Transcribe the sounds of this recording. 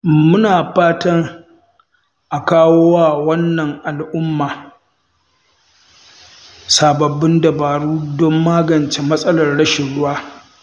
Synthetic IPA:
mʊ˦naː˨ɸaː˦tɐ˦ŋ | ʔa˨kaː˦woː˦wa˦˨wɐ˦nːɐ˨ŋʔa˨lʔʊ˦mːaː˨ | saː˨bɐ˨bːɪ˦ndɐ˨baː˨ɽuː˦dɔ˦mːaː˦ɡɐ˨nt͡ʃe˦mɐ˦sʼɐ˦lɐ˨rɽɐ˦ʃɪ˨ɽʊ˦waː˦

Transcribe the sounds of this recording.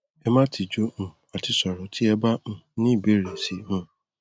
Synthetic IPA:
ɛ˦mã˦tʰi˨d͡ʒo˦m̩˨ | a˨tʰɪ˦sɔ˨ɾɔ˨tʰɪ˦ɛ˦ba˦m̩˨nɪ̃˦˨be˦ɾe˨si˨mʊ̃˦

